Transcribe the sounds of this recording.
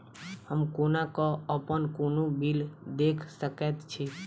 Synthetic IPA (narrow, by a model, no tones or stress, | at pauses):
ɦəmkonakɔəpənkonubild̪ekʰsəket̪t͡ʃʰe